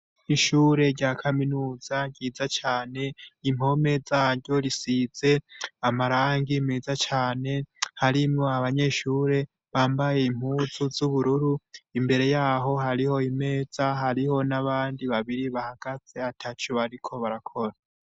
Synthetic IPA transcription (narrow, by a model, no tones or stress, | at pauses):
iʃuːɾe̞ɾɟaːkʰaminuːz̥aɡɟiːzat͡ʃaːne̞im̥o̞me̞zaːɾɟo̞ɾisiz̥e̞amaɾaːŋɡime̞ːzat͡ʃaːne̞haɾimŋoaβaɲe̞ʃuːɾe̞ | βaːmbaje̞im̥huːzuzuβuɾuɾuimbe̞ɾe̞jaːɦo̞ɦaɾiho̞ime̞ːz̥aɦaɾiho̞naβaːndiβaβiɾiβahaɡ̥az̥e̞atʰat͡ʃoaɾikʰo̞βaɾakʰo̞ɾa